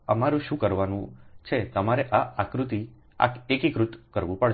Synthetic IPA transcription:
əmaɾũʃũkəɾʋanũt͡ʃʰet̪əmaɾeʔaakɾut̪i | a̰kekikɾut̪kəɾʋũpəɭ

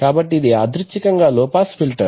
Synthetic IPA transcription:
kaːbɐʈːiːd̪iaːd̪ɾit͡ʃːikɐŋɡaːlɔːpaːspʰilʈɐɾ

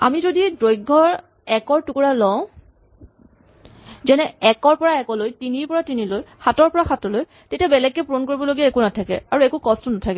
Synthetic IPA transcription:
a̰mizodidɹojɡʱːɔɹ | ɛkɔɹtukuɹalɔʊ̃ | zɛnɛɛkɔɹpɔɹaɛkɔlojtiniɹpɔɹatinilojxatɔɹpɔɹaxatɔloj | tetiabɛlɛɡːɛpɹonkoɹibɔloɡiaekunatʰakɛ̰aɹuɛkukɔstɔnatʰakɛ

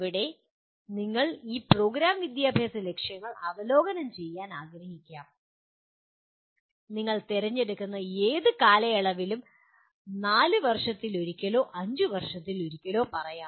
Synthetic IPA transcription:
ʋiɽe̞ | niŋːɐɭiːpro̞ːɡɾaːmʋid̪jaːbʱjaːsɐle̞kʂjɐŋːɐɭɐʋɐlo̞ːɡɐnɐmt͡ɕe̞jːaːnaːɡɾɐhikʲːaːm | niŋːɐɭt̪eɾɐɲːe̞ɽukːunːɐeːðɨkaːlɐjɐɭɐʋilum | naːlɨʋɐrʂɐt̪ːilo̞ɾikʲːɐlo̞ːʔɐɲd͡ʑɨʋɐrʂɐt̪ːilo̞ɾikʲːɐlo̞ːpɐrɐjaː

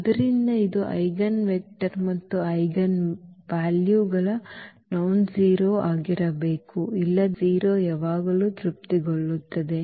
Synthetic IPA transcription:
ɐd̪ɐɾind̪ɐid̪uʔɐ̰jɡɐnʋek̚ʈɐɾmɐt̪ːuɐjɡɐnʋaːljuːɡɐɭɐnɐwnd͡ʒiːɾoːaːɡiɾɐbeːkuilːɐd͡ʒiːɾoːɛːʋaːɡɐluːt̪ɾup̚t̪iɡoɭːut̪ːɐd̪e̞

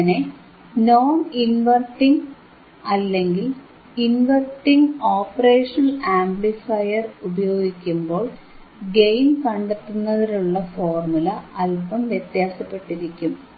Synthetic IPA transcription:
ne | noːninʋɐrʈːiŋ | ɐlːe̞ŋɡil | inʋɐrʈːiŋɡoːpːɐre̞ːʂɐnɐlaːmblifɐjɐrubɐjo̞ːɡikʲːumbo̞ːɭ | ɡe̞jnkɐɳɖet̪ːunːɐðiluɭːɐfo̞ːrmulɐɐlpɐmʋjet̪jaːsɐpːe̞ʈːiɾikʲːum

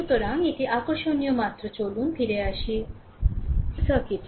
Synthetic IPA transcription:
t̪əɾãŋɡit̪ʰiʔakəɕonijəmat̪ɾət͡ɕoluːnpʰiɾeaɕi | səkit̪ʰ

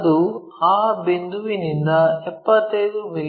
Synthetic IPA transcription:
d̪u | aːbend̪uʋinind̪ɐɛpːɐt̪ːɐjd̪umil

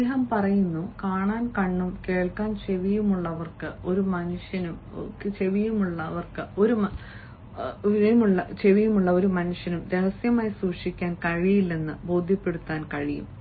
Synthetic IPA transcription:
ɐɦɐmpɐrɐjunːukaːɳaːnkɐɳːumke̞ːɭkaːnt͡ɕe̞ʋijumuɭːɐʋɐrkɨo̞ɾumɐnuʂjɐnum | t͡ɕe̞ʋijumuɭːɐʋɐrkɨo̞ɾumɐ | iɐjmuɭːɐt͡ɕe̞ʋijumuɭːɐo̞ɾumɐnuʂjɐnumɾe̞hɐsjɐmaːjisuːʂikʲːaːnkɐɻijilːe̞nːɨbo̞ːd̪ʱjɐpːe̞ɽut̪ːaːnkɐɻijṵm

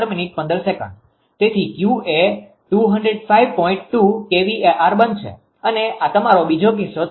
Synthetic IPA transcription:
ɾminiʈ̚pə̃nd̪əɾsekə̰̃ɳɖ | t̪et̪ʰikjue | ʈuɦəɳɖɾeɖfaiʋpɔĩɳʈ̚ʈukeʋieʔaɾbən̚t͡ʃʰḛ | əneat̪əmaɾobid͡ʒok̬ɪso

